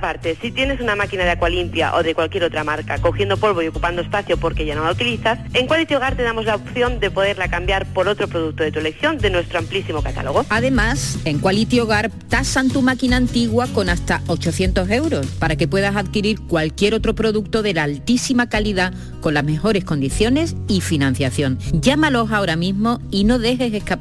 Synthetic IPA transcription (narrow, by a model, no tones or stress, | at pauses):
paɾt̪e̞sit̪je̞ne̞sunamakinaðeakwalimpja̰ʔo̞ðe̞kwalkje̞ɾo̞t̪ɾamaɾkako̞xje̞nd̪o̞po̞lβo̞io̞kupand̪oespaθjo̞po̞ɾke̞ʝanolaut̪iliθase̞ŋkwalit̪joɣ̞aɾt̪e̞ðamo̞zlaopθjo̞nd̪e̞po̞ðe̞ɾlakambjaɾpo̞ɾo̞t̪ɾo̞pɾoðuk̚t̪oðe̞t̪uele̞kθjo̞nd̪e̞nwe̞st̪ɾoamplisimo̞kat̪a̰lo̞ɣ̞o̞aðe̞mase̞ŋkwalit̪joɣ̞aɾ | t̪asant̪umakinaːnt̪iɣwako̞nast̪ao̞t͡ʃo̞θje̞nt̪o̞se̞wɾo̞spaɾake̞pwe̞ðasaðkiɾiɾkwalkje̞ɾo̞t̪ɾo̞pɾo̞ðuk̚t̪o̞ðe̞lalt̪isimakaliða | ko̞nlazme̞xo̞ɾe̞sko̞nd̪iθjo̞ne̞sifinãn̟θjaθjo̞ŋɟ͡ʝamalo̞sao̞ɾamĩzmo̞ino̞ðe̞xe̞se̞ska